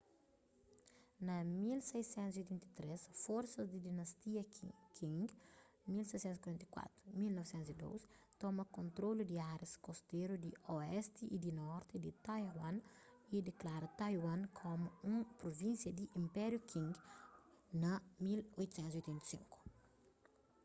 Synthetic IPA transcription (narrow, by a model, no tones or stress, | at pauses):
nɐmilsɛjsɛ̃nt̪uziojt̪ɛ̃nt̪i̥t̪ɾesfɔɾsɐzd̪id̪inɐst̪iɐkʰĩŋɡ | milsɛjsɛ̃t̪skwɐɾɛ̃nt̪ɐkwa̰t̪ɾʊmilnɔvsɛ̃nt̪uzid̪o̰wst̪ɔmɐkõnt̪ɾolud̪iaɾeskost̪eɾud̪iɔɛst̪iʔid̪inɔɾt̪id̪it̪ajɦwɐ̃n | id̪eklaɾɐt̪ɐjwɐ̃nkʰomʊũpɾovĩnsjɐd̪iʔĩmpɛɾjukʰĩŋɡ | nɐmilojt̪u̥sɛ̃nt̪zojt̪ɛ̃nt̪i̥sĩŋku̥